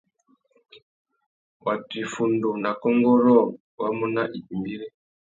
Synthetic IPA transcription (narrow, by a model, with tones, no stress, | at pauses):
ba˨ti˨fu˨ndu˨na˨kɔ˦ŋɡɔ˦ɾɔ˦˨ | ba˦mu˦na˦ʔi˨m˨bi˦ɾe˦